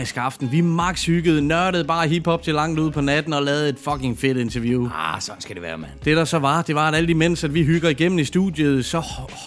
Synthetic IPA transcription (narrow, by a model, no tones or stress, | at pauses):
isɡ̥ɑ̈fd̥n̩ʋimɑ̈ɡ̥shyɡ̥əð̩ˠnɶɐɾəðˠb̥ɑ̈ːɦib̥hɒ̽b̥̚t͡sʰe̝lɑ̈ŋ̰d̥uð̰ˠpʰɒ̽næd̥n̩ɒ̽lɛːð̞̩ˠe̝d̥fɒ̽ɡe̝ŋfe̝d̥e̝nt͡sʰɐʋjusɒn̩sɡ̥æd̥eʋæːɐmd̥e̝ɾ̥ɑ̈sɒ̽ʋɑ̈d̥e̝ʋɑ̈æɾæl̰d̥imen̰sæd̥ʋiɦyɡ̥ɐiɡ̥em̰n̩isd̥ṵːðˠjəð̩ˠsɒ̽